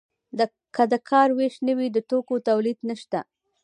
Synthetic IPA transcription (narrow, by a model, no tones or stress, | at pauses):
d̪ə | kad̪əkʰɑɾweʃnəwid̪əʈokot̪awlid̪nəʃt̪a